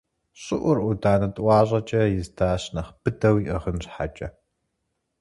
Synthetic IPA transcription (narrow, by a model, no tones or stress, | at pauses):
ɕʼɪʔʷʊrʊdaːnɐtʼwʷɑːʑʼɐt͡ʃʼɐjɪzdʰaːɕnɐχb̥ɨdɐwiːʔɐʁənɕħat͡ʃʼɐ